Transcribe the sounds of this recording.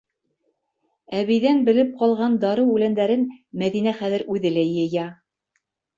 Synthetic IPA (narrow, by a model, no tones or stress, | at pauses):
æβijðænbɘ̆lɘp̚qɑlˠʁɑnd̪ɑɾɤwʉlænd̪æɾɘnmæðinæχæðɘ̆ɾʉðɘlæɤ̆jɑ